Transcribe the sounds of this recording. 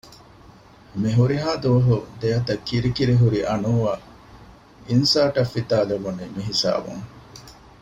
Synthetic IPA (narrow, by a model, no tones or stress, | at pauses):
miɦuɾiɦaːd̪uʋɐɦud̪ejɐt̪ɐkːiɾikiɾeɦuɾiʔɐnuːʋaː | insaːʈɐfːit̪aːleʋuniːmiɦisa̰ːbṵŋ